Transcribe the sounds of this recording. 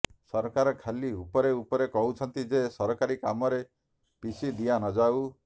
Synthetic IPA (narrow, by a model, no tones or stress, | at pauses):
sɔɾɔkaɾɔkʰaliupɔɾeupɔɾekɔɦut͡ʃʰɔnt̪id͡ʒesɔɾɔkaɾikamɔɾe | pisid̪ijanɔd͡ʒaw